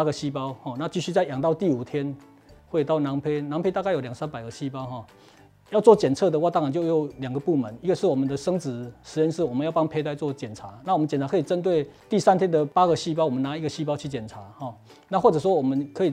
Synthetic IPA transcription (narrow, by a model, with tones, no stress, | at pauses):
a˥ɡə˨ɕi˥pa˦ʊhɔ˥˩na˥˧t͡ɕi˥˧ɕy˥˧t͡sa˥˩ɪja˨˩ŋt̪ɑ˥˧ʊt̪i˥˩˨u˨˩t̪ʰjɛ˦n | xwe˥˧ɪt̪a˥˩ʊna˨˧˦ŋpʰe˥ɪna˧˦ŋpʰe˥ɪa˥˧ka˥˩jo˨˩lja˨˩ŋsa˥˦npa˨˩ɪɡə˦ɕi˦˥pa˥˦ʊxɔ˥˩ | jɑ˥˧ʊt͡swɔ˥˨t͡ɕjɛ˨˩nt͡sʰɤ˥˩d̪ə˨wa˥˧t̪a˥ŋa˨ŋt͡ɕjo˥˧ʊjo˨˩ʊlja˨˩ŋɡə˩pu˥˩mə˨˦ni˦˥ɡə˨˧ʂɻ̩˥˩wɔ˨mə˨˦nd̪ə˨ʂə˥ŋt͡sɹ̩˨˩˦ʂɻ̩˧˥t͡ɕjɛ˥˧nʂɻ̩˥˩wɔ˨mə˦njʊpɑ˥ŋpʰe˥ɪt̪a˥˧ɪt͡swɔ˥˨t͡ɕjɛ˨˩nt͡sʰa˧˦na˥˩wmə˦nt͡ɕjɛ˨˩nt͡sʰa˧˥kʰɤ˧˥i˨˩t͡sə˦nt̪we˥˩ɪt̪i˥˨sa˥˦nt̪ʰjɛ˥nd̪ə˨pa˥ɡə˨ɕi˥p̬ɑ˥˦ʊwɔ˨˩mə˨na˧˦i˧˥ɡə˧ɕi˥p̬ɑ˥ʊt͡ɕʰy˥˩t͡ɕjɛ˨˩nt͡sʰa˨˧˦hɔ˨˩ | na˥˧xwɔ˥˩t͡sɤ˨˩s̬wɔ˦wɔ˨˩mə˦nkʰə˧˥i˨˩